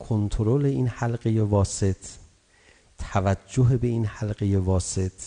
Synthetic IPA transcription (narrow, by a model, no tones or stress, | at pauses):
kʰont̪ʰoɾole̞inhælɢejevɒːse̞t̪ʰ | ævæd͡ʒːoɦebe̞inhælɢejevɒːset̪ʰ